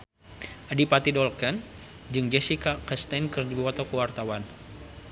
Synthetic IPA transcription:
ʔadipat̪idɔlkən | d͡ʒɨŋd͡ʒɛsikakɛst̪ankərdibuwat̪okuwart̪awan

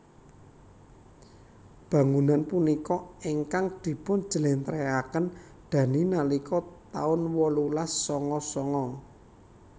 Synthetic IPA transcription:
b̥ä̤ŋunanpunikɔiŋkaŋd̪̥i̤pʊn̥d͡ʒ̥ə̤lent̪ɾeakən | d̪̥ä̤ninalikɔt̪a̰ʊnwɔlulasːɔŋɔsɔŋɔ

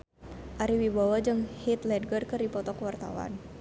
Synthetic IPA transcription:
ʔaɾiwibawad͡ʒɨŋhit̪lɛdɡərkərdipɔt̪ɔkəwart̪a̰wa̰n

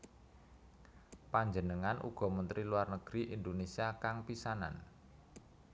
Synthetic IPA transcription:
paɲd͡ʒənəŋanʔṵɡ̥ɔ̤mənt̪ɾiluarnəɡ̥ɾiʔind̪onesiakaŋpisana̰n

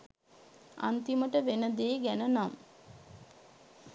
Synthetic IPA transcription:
a̰nt̪iməʈəʋenəd̪eːɡænənam

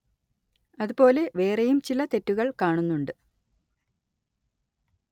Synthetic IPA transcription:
ɐðupo̞ːle̞ʋe̞ːrejumt͡ɕilɐt̪e̞tːuɣɐɭkaːɳunːuɳɖɨ

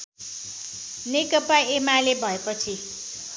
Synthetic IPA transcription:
nekʌpaemalebʱʌepʌt͡sʰi

